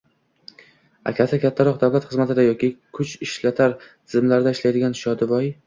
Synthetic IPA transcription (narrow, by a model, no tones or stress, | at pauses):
a̰kʲʰasɪkʲʰat̪ʰːaɾɒq̚d̪awlat̪χɨzmat̪ɪd̪ajɒkʲɪkʰʊt͡ʃɪʃlat̪ʰaɾt̪ʰɪzɪmlaɾɪd̪aɪʃlajd̪ɪɡʲanʃɒd̪ɪvɒj